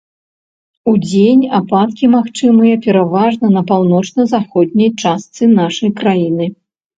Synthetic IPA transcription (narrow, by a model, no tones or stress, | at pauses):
ud͡zʲenʲapat̪kʲimaxt͡ʂɨmɨjɐpʲɛɾavaʐnɐnɐpawnɔt͡ʂnɐzaxɔd̪̚ʲnʲɐjt͡ʂast̪sɨnaʂɐjkɾajinɨ